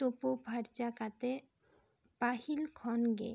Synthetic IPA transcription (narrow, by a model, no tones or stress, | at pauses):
opopaɾt͡ɕakat̪e | pahilkʰɔnɡḛ